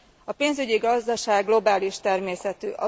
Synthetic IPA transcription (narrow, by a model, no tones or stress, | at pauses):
ɒpeːnzyɟiɡɒzd̪ɒʃaːɡːlo̞baːliʃt̪ɛrmeːsɛt̪yːʔɒ